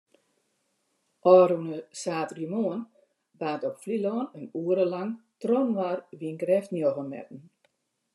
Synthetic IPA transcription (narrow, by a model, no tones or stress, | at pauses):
ʔɔːɾunəsaːtrimoːən | baːtɔpflilɔːnənuəɾəlaŋtrɔnʋarʋinɡrɛftnjoɣəmɛ̰tn̩